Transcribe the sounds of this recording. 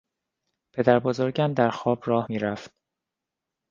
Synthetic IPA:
pʰe̞d̪æɾbozoɾɟæmd̪æɾxɒːb̥ɾɒːhmiːɾæft̪̚

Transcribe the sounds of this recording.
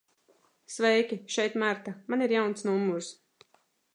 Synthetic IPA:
svɛjkʲiʃɛjt̪maɾt̪amaniɾjawnt̪snumːuɾs

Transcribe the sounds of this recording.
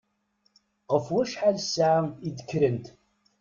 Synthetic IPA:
ʁəfwæʃħalsaʕid̪əkːɾənt̪

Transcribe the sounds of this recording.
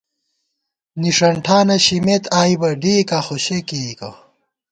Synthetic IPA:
niʂɐɳʈʰaːnɐɕimet̪ʰaːibɐɖiːkaxoɕekikɐ̰

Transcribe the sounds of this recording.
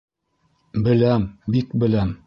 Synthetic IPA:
bɘ̆læmbikbɘ̆læm

